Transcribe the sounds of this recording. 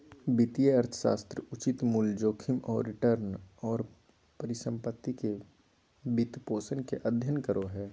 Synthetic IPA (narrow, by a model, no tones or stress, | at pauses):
bɪt̪ijəɐɾt̪ʰə̥ʃa̰ːst̪ɾəʊt͡ʃɪt̪muld͡ʒoːkʰɪmɔːɾːɪʈəɾnɔːɾ | pɐɾɪsə̃mpət̪ːike | bit̪poːsənkeʔɐd̪ʱjənkəɾʔoɦɛː